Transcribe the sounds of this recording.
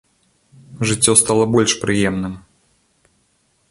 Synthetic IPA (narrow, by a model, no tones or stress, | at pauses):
ʐɨt͡sʲːɔst̪alˠɐbɔlʲʂpɾɨjɛmnɨm